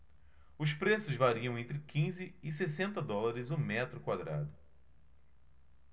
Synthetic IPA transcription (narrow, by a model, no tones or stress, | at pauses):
ʊspɾesʊzvaɾiɐ̃w̃ẽnt̪ɾɪkĩzɪɪsesẽnt̪ɐd̪ɔlaɾɪzʊmɛt̪ɾʊkwad̪ɾa̰d̪ʊ